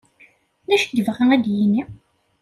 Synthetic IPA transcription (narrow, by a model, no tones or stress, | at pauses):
næʃdəvʁææd̪jini